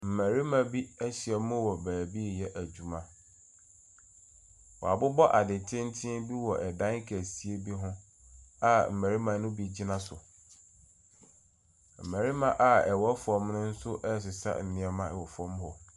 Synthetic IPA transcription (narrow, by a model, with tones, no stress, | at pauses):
m̩˨mæ˨ɾi˦mã˨bi˦æ˦ɕɪ˨ɛ˨mʊ̃˦wɔ˨bæː˨bi˦˨jɛ˦ʔæ˨d͡ʑu˨mã˦ | wɔ̰˨a˨bʊ˦bɔ˦ʔa˨dɪ̃˨tʰɪ̃˦n˦tʰɪ̃˦di˦wɔ˨ʔɛ˨dã˦ŋ˦kʰæ˨si˨e˦bi˦ɦʊ̃˦ | a˦m̩˨mæ˨ɾi˦mã˨˦nʊ̃˦bi˦d͡ʑi˦nã˦sʊ̰˨ | m̩˨mæ˨ɾi˦mã˦˨ʔa˨ɛ˨wɔ˦fɔ̃˦mnʊ̃˦n̩˦sʊ˦ʔɛ˦˨s̬ɪ˨sa̰˦n̩˨nɪ̃˦ɛ˦mã˦ɛ˨wɔ˨fɔ̃˦mɦɔ˨